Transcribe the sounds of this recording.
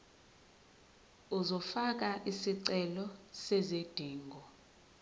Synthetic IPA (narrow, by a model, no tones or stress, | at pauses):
uzɔfak̬aʔisiǀɛlɔsɛzed̥ʱiːŋɡʱɔ